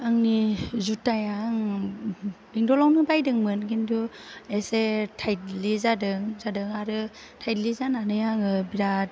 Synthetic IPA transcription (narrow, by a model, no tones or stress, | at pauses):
ɯŋnizutːajaŋ | biŋdɔlawnɯbajdɯŋmɯnkintʰuesetʰajt̚lizadɯŋzadɯŋaɾɯ | tʰajtlizananɯjaŋɯbiɾat̚